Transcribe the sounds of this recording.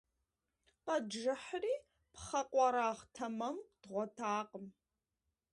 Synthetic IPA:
qɐʒɨħriː | pχɐqʷʼɔɾaːχtʰɐmɐmd̥ʁʷɔtʰaːqəm

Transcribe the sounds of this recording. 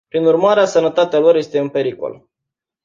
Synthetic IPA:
pɾinurmaɾeasənət̪at̪ealo̞rje̞st̪e̞ɨnpe̞ɾiko̰l

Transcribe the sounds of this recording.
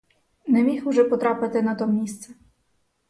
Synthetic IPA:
nɛmʲixʊʒɛpɔt̪ɾɑpɪt̪ɪnɐt̪ɔmʲist̪sɛ

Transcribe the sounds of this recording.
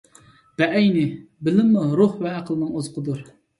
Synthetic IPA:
b̪̥ɛʔɛjnɪbɪlɪmːuɾuhvɛːqʰəlˠɨnɨŋozəqʰəd̪uɾ

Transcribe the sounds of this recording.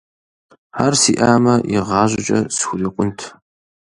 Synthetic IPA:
ħarsiːʔaːmɐɪʁɑːʒʷɪt͡ʃʼɐsxʷʊriːqʷʼʊntʰ

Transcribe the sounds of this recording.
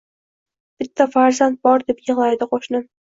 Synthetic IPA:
b̥ɪt̪ʰːafaɾzant̪̚bɒɾd̪e̞pjɨʁlˠajd̪ɪqʰoʃnɪm

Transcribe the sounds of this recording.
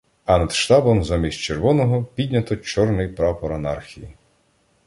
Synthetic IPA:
ɐnɐd̪̥ʃt̪ɑbɔmzamʲist͡ʃerʋɔnɔɦɔpʲidʲnʲɐt̪ɔt͡ʃɔrnɪjpɾɑpɔɾɐnɑrxʲiji

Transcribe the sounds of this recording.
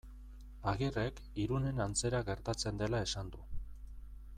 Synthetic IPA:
aɣire̞k | iɾune̞nant͡se̞ɾaɣe̞ɾt̪at͡se̞nd̪e̞lae̞sand̪u

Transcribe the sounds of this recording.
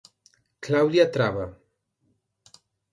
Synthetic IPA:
klawd̪jat̪ɾaβa

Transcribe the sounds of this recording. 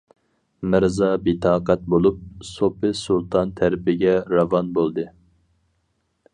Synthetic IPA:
mɪɾzɑbit̪ʰɑːqʰɑt̪̚bolˠup̚sopɨsulˠt̪ʰɑnt̪ʰæɾɪpʰɪɡʲɛɾɑvɑnbolˠd̪ɨ

